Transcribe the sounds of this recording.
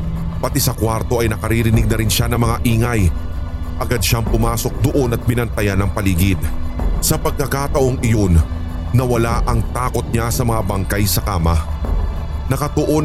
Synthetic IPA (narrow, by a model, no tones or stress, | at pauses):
pɐt̪ɛsɐkwaɾt̪o̞ʔɐjnɐkɐɾiɾɪnɪɡ̚nɐɾɪnʃanɐŋmɐŋaʔiːŋɐj | ʔɐɡad̪̚ʃaŋpʊmaːso̞k̚d̪oʔo̞nɐt̪̚mɪnɐnt̪ɐjanɐŋpɐliːɡɪd̪̚sɐpɐɡ̚kɐkat̪ɐʔo̞ŋɪjo̞nː | ɐwɐlaʔɐŋt̪aːko̞t̪̚ɲasɐmɐŋabɐŋkajsɐkaːmɐ | nɐkɐt̪oʔo